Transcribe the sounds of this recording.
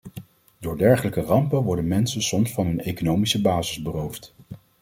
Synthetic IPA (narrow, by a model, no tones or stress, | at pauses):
dʊːɹdɛɹχələkərɑmpənʋɔɹdənmɛnsənsɔmsfɑnɦɵnejkonowmisəbaːzɪzbərowft